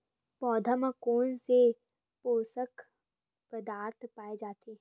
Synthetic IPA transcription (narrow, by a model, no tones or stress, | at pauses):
pɔːd̪ʱəməkoːnse | poːsək | pəd̪aːɾt̪ʰpaːed͡ʒaːt̪ʰeː